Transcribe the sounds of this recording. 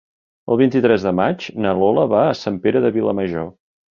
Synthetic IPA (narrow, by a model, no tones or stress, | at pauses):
əlˠβint̪it̪ɾɛzðəmad͡ʒnəloləβaəsampeɾəðəβiləməʒo